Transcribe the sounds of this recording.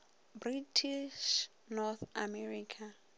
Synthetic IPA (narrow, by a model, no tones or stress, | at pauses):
britʰiʃ | nɔθamɛriːkʰa